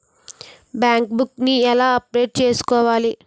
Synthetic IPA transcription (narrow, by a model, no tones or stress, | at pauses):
bjaːŋkbukniɛlaːɐpɾeːʈ̚t͡ʃe̞ːsu̥kɔːʋaːli